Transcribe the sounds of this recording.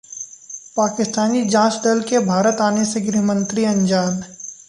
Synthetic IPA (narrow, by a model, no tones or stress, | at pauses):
paːkɪst̪aːnid͡ʒãːsɖəlkebʱaːɾət̪aːneseɡɾɪɦmə̃nt̪ɾiɐ̃ɲd͡ʒaːn